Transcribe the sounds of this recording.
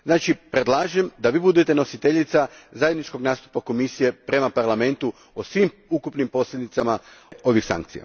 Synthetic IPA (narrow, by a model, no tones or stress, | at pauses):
znaːt͡ʃipɾed̪lˠaːʒemd̪aʋiːbud̪e̞t̪e̞no̞sit̪eʎit̪sazajed̪nit͡ʃko̞ɡnaːst̪u̥pako̞misije̞pɾe̞mapaɾlˠame̞nt̪u | osʋim | ukupnimpo̞sʎʲed̪it̪samao̞ʋixsa̰ŋkt̪sḭja̰